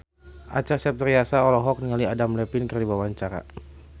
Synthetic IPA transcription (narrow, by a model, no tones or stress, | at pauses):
ʔat͡ʃasɛp̚t̪ɾiasaɔlɔɦɔk̚niŋaliadamlɛpinkɨrdibawaɲt͡ʃaɾa̰